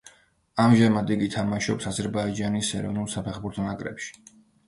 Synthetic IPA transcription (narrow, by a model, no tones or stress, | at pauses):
amʒɛmad̪iɡit̪ʰamaʃɔpsazɛɾbaid͡ʒanisɛ̰ɾɔ̰vnulˠsapʰɛχbuɾt̪ʰɔnakʼɾɛ̰pʃi̥